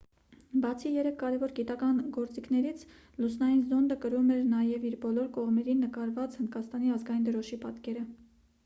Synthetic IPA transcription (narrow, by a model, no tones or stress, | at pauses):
bɑt͡sʰijɛɾɛkʰkːɑɾɛvɔɾɡit̪ɑkɑnɡɔɾt͡sikʰnɛɾit͡sʰ | lusnɑjinzɔnd̪əkəɾumɛɾnɑjɛviɾbɔlɔɾkɔʁmɛɾinːəkɑɾvɑt͡shənd̪kɑst̪ɑniɑzɡɑjind̪əɾɔʃipɑt̪kɛɾə